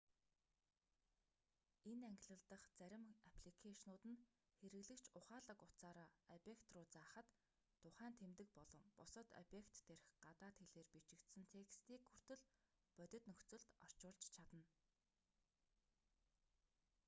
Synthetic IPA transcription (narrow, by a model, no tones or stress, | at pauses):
enæŋɡʲɪ̆ɮə̆ɮt̪ə̆χt͡sæɾʲɪ̆mapʰɮikʰeʃnʊːt̪ɘ̆n | xeɾɘ̆ɣɮɘ̆kt͡ɕʰʊχaːɮə̆kʊt̪t͡saːɾaːɔpjekt̪rʊːt͡saːχə̆t̪ʰː | ʊχæːnt̪ʰemt̪ɘ̆k̚pɔɮɞ̆mpʊsə̆t̪ɔ̰pjekt̪ːeɾ̆xɢat̪aːt̪xeɮeːrpit͡ɕɪ̆kt̪sɘ̆nt̪ʰekst̪iːkxur̥t̪ɘ̆ɮ | pœt̪ʲɵ̆t̪nɵxt͡sɵ̆ɮt̪ɔr̥t͡ɕʊːɮt͡ɕt͡ɕʰat̪ə̆n